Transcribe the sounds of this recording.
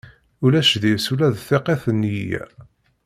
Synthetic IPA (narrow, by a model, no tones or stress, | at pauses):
ulæʃðisulæðθeqeθənːjijæ̰